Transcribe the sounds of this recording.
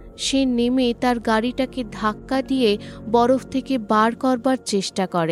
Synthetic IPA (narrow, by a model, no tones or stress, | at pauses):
ʃenemet̪aɾɡaɽiʈaked̪ʱakːad̪ijebɔɾofʰt̪ʰekebaɾkɔɾbaɾt͡ɕeʃʈakɔɾe